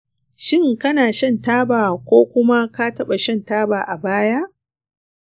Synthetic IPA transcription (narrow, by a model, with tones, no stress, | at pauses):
ʃɪ˦ŋkɐ˦naː˨ʃɐ˦˨ntaː˦baː˨kʷoː˦kʷʊ˦ma˦ka˦tɐ˦ɓa˨ʃɐ˦ntaː˦baː˨ʔa˨baː˦ja˦ʔ